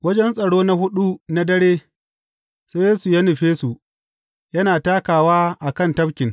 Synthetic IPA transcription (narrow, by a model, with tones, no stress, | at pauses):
wɐ˦d͡ʒɛ˦nsʼɐ˨ɽoː˦na˦hʊ˦ɗu˦na˦dɐ˦ɽeː˦ | se˦jeː˦su˨jaː˦nʊ˨ɸeː˦su˨ | jɐ˦naː˨taː˦kaː˨waː˦ʔa˨kɐ˦˨ntɐ˦bkʲɪ˨ŋ